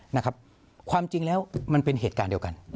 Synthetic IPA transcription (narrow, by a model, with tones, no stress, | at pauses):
na˦˥kʰa˦˥p̚ | kʰwaː˧mt͡ɕi˧ŋlɛː˦˥wma˧npe˧nɦeː˨˩t̪̚kaː˧ndi˧əwka˧n